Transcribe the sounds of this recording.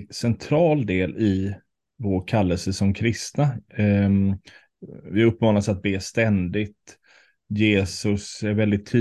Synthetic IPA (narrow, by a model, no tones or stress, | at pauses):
sɛnt̪ʰɾɑːld̪eːlɪ | voːkʰalːəlsəsɔmkʰɾɪst̪na | vɪɵpːmɑːnasat̪̚beːst̪ɛnd̪ɪt̪ | jeːsɵsæɾvɛld̪ɪt̪ʰːyː